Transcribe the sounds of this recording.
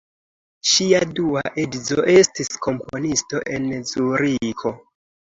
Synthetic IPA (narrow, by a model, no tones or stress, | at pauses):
ʃiaduaʔedzo̞ʔe̞stiskʰo̞mpo̞nisto̞ʔe̞nzuɾikʰo̞